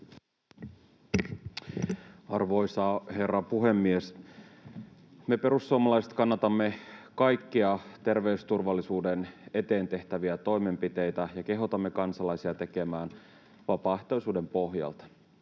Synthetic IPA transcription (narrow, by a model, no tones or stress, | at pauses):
ɑrʋo̞jsɑhe̞rːɑpuɦe̞mːies | me̞pe̞ɾusːuomɑlɑjset̪kɑnːɑt̪ɑmːe̞kɑjkːiɑt̪e̞rʋe̞ust̪urʋɑlːisuːdene̞t̪e̞ːnt̪e̞ht̪æʋiæt̪o̞jme̞mpit̪e̞jt̪æjɑke̞ɦot̪ɑmːe̞kɑnsɑlɑjsiɑt̪e̞ke̞mæːn | ʋɑpɑht̪ojsuːde̞mpo̞ɦjɑ̰lt̪ɑ̥